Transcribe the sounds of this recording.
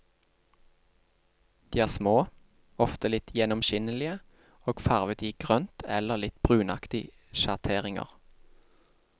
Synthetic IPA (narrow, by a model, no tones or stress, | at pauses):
d̪̥iːæːʁsmoː | ɔft̪əlɪt̪ʰjɛnɔmʃɪnəlɪə | oːɡ̥fæʁʋət̪iːɡ̥ʁœnt̪ʰɛ̰ləʁlɪt̪b̥ʁʉːnɑ̰kt̪ɪ | ʃɑʁt̪ʰeːʁɪŋə̰ʁ